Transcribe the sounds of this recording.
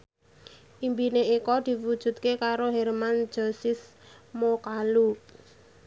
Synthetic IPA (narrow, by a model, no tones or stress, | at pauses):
ʔimbineikɔd̪̥i̤wud̥ʒ̥ṳt̪̚kekaɾoɦɛrman̥d͡ʒ̥ɔsɪsmokalu